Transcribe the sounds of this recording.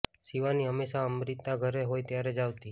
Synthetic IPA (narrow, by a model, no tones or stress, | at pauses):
siʋaniɦəmeʃaəmɾit̪aɡʱəɾeɦojt̪jaɾed͡ʒaʋt̪i